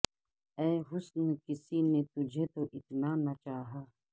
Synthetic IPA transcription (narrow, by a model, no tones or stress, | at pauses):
ɛːɦʊsnkɪsinet̪ʊd͡ʒʱet̪oʔɪt̪nanɐt͡ʃaːɦaː